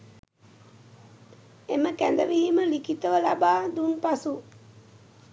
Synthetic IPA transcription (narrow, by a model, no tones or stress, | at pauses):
eməkænd̪əʋiɦiməlikit̪əʋəla̰baːd̪unpasu